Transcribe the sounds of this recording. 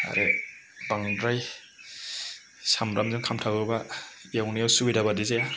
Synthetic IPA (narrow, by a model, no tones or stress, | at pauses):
a̰ɾʔe | baŋdɾaj | samɾamzɯŋkʰamtʰawɯbaijawnijawsubidabadizeja